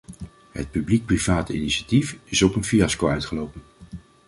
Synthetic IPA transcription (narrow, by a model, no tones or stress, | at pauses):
ɦə̰t̚pyblik̚privaːtḭniʃatifɪsɔpənfiɑskowœɥtχəlowpən